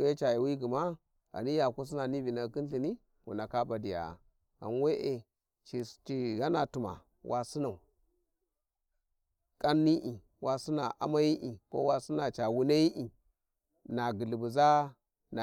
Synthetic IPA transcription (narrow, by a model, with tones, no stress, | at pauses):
e˦t͡ʃa˨ja˨wi˦ɡi˨ma˦ | a̰˨ni˦ja˨ku˦s̬i˦na˨ni˦vi˨na˨ki˦n˦ɬi˨ni˦ | wṵ˨na˨ka˦ba˨di˨ja̰˨ | a̰˨n˦we˦ʔe˨ | t͡ʃi˨t͡ʃi˨ɡa˦na˨tu˨ma̰˨ | wʔa˨si˦na˨u˨ | kʼa˦nːi˦ʔi˨ | wa˨si˦na˨ʔa̰˦ma˦ji˦ʔi˨ko̰˦wa˦si˦na˨t͡ʃa˨wu˦na˦ji˦ʔi˨ | na˨ɡi˨li˨bu˨za˦ | na˨